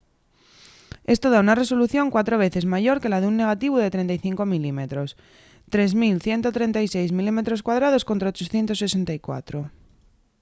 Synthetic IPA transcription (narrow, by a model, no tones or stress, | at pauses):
e̞st̪o̞ð̞aunare̞so̞luθjo̞ŋkwat̪ɾo̞β̞e̞θe̞zmaʝo̞ɾke̞laðeunːe̞ɣ̞at̪iβ̞uðe̞t̪ɾe̞nt̪ajθiŋko̞milime̞t̪ɾo̞s | t̪ɾe̞zmilθje̞nt̪ot̪ɾe̞nt̪ajse̞jzmilime̞t̪ɾo̞skwað̞ɾað̞o̞sko̞nt̪ɾaot͡ʃo̞θje̞nt̪o̞sːese̞nt̪ajkwa̰t̪ɾo̞